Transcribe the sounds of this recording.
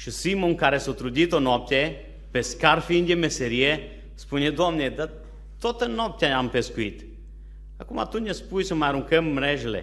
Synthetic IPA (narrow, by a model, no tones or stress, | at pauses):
ʃəsimoŋkaɾesot̪ɾud̪ʲit̪onop̚t̪ʲe | peskaɾfind̪ʲemeseɾie | spunʲed̪omned̪a | t̪ot̪ənop̚t̪ʲaampeskuit̪ | akuma̰t̪uɲʲəspujsəmaaɾuŋkəmːɾɛʒelḛ